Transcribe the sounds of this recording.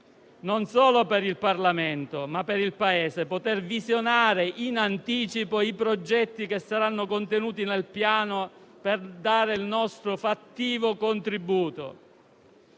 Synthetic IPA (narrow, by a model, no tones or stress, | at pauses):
nonsoːlopeɾilparlament̪omapːeɾilpaeːsepot̪ervizjonaːɾeʔinant̪iːt͡ʃipoipɾod͡ʒɛt̪ːikesːaɾanːokont̪enuːt̪inelpjaːnoperd̪aːɾeilnɔst̪ɾofat̪ːiːvokont̪ɾibuːt̪o̰